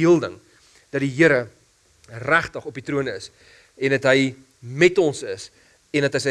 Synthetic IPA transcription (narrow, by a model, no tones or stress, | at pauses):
iəlˠdəŋ | d̥ɐtdiɦiəɾə | ræχtəχɔpitɾuənəs | ɛndɐtɦəj | mɛtɔnsəs | ɛndɐtɦəsə